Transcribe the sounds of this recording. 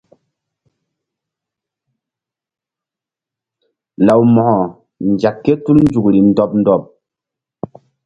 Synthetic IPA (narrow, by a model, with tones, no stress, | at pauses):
la˨wmɔ˨hɔ˨ | n˨d͡ʒa˨kːe˦tu˦ln̩˦d͡ʒu˨kɾi˨n̩˨dɔ˦p̚n̩˦dɔ˦˨p̚